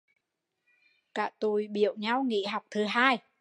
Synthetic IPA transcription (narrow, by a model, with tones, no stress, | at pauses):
kaː˧˩t̪u˨˩jɓḭ˧˨əwɲa˧wŋḭ˧˥ɦa˨˩wk͡p̚t̪ʰɨ˨˩˦ɦaː˧j